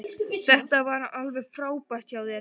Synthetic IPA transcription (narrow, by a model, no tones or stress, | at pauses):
θθɛht̪avaːɾaʔalvɛɣfɾaːwpar̥t̪çaːwðɛɾ